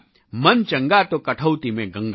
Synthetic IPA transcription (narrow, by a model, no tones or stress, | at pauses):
mɐnt͡ʃɐ̃ŋɡat̪okɐʈʰəwt̪imẽɡɐ̃ŋɡ